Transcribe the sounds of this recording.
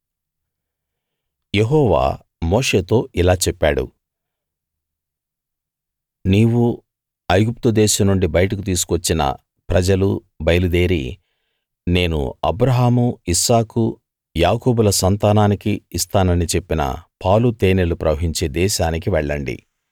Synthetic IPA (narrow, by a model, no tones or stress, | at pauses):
jeɦɔːʋa̰ː | moːʂe̞ːt̪o̞ːʔilaːt͡ʃɛpːaːɽṵ | niːwu | ɐjɡup̚t̪ud̪ɛːʃɐmnuɳɖibɐjɐʈɐkut̪̬iːs̬u̥kʋɐt͡ʃːinɐ̰ | pɾɐd͡ʒɐlu | bɐjɐlud̪e̞ːɾḭ | ne̞ːnṵɐbɾɐɦaːmuisaːku | jaːkoːbulɐsɐnt̪aːnaːnikiːst̪aːnɐnit͡ʃe̞pːinɐ̰pʰaːlut̪eːnelupɾɐʋɐɦiɲt͡ʃe̞ːd̪ɛːʃaːnik̬iʋɛɭːɐɳɖḭ